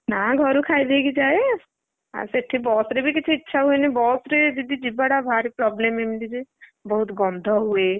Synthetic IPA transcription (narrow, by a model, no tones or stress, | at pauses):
naɡʱəɾukʰaːid̪eɡid͡ʒaːe | ə̰seʈʰːibɔːsɾebʱikɪt͡ʃʰeɪtːʃʰaɦʊenibɔːsɾed͡ʒ̪ɪd̪id͡ʒibəɽabʱaːɾipɾɔːbleːmemd̪id͡ʒibəɦʊt̪ɡɔ̃ːnd̪ʱaɦʊe